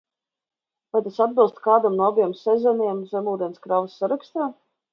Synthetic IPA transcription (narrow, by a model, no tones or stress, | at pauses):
vajt̪asad̪̚bɨlˠst̪kaːd̪amnuabijɛmsɛzɛniɛmzɛmuːd̪ʲɛnskɾavsːaɾakst̪aː